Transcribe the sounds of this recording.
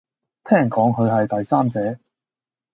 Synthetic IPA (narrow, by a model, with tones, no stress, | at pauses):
t̪ʰɛː˥˩ŋkɔː˨˥ŋɦʰɵ˨˧ɥɐ˨jt̪ɐ˨jsaː˥mt͡sɛː˨˥